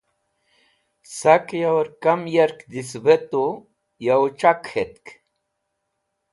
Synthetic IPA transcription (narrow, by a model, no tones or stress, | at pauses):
sakjawɐɾkamjeɾkd̪isbet̪u | jawt͡ʃakhet̪k